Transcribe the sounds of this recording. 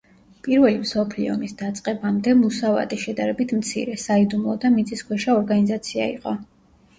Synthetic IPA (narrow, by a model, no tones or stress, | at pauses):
pʼiɾvɛlimsɔpʰlḭɔ̰misd̪at̪sʼqʼɛbamd̪ɛmusava̰t̪ʼiʃɛd̪aɾɛbit̪ʰmt̪sʰḭɾɛsaid̪umlˠɔd̪amit̪sʼiskʰwɛʃaɔɾɡanizat̪sʰia̰ḭqʼɔ